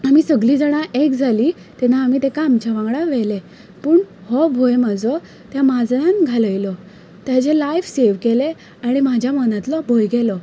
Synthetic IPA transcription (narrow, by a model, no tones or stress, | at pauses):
amisəɡliːd͡zəɽ̃aʔekd͡zʱaliː | t̪ɛnaːmit̪ekaːmt͡ɕaʋãŋɡɽaʋɛle | pəːɳhɔbʱojmad͡zɔ | t̪jamad͡zãnɡʱaləjlɔ | t̪jat͡ɕelajfseʋkele | aɽ̃imad͡ʑʱjamənat̪lɔbʱojɡɛlɔ